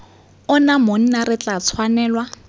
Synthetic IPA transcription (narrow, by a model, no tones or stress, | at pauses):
ʊnamon̩naɾɪt͡ɬʼat͡sʰwanɛːlwa